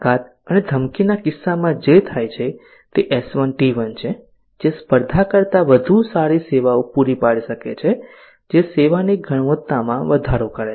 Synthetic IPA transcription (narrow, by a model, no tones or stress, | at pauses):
kat̪ | əned̪ʱəmkinakɪsːamãd͡ʒet̪ʰajt͡ʃʰe | t̪eʔesʋənʈiʋənt͡ʃʰe | d͡ʒespəɾd̪ʱakəɾt̪aʋəd̪ʱusaɾiseʋaopuɾipaɽiʃəkḛt͡ʃʰe | d͡ʒeseʋaniɡʱəɽ̃ʋət̪ːamãʋəd̪ʱaɾokəɾe